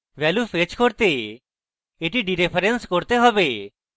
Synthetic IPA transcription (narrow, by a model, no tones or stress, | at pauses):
ʋɛljufʰet͡ʃkɔɾt̪e | eʈiɖiɾepʰɐɾenskɔɾt̪eɦɔbe